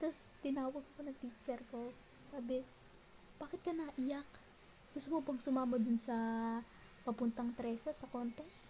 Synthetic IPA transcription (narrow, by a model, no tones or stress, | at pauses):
t̪ɐst̪ɪnaːwɐɡ̚ɐkonɐŋt̪iːt͡ʃɛɾko | saːbɪ | b̥aːkɪt̪̚kɐnaʔɪjak̚ | ɡʊst̪omopɐɡ̚sʊmaːmɐd̪ʊnsɐ | pɐpʊnt̪ɐŋt̪ɾɛːsɐsɐkont̪ɛs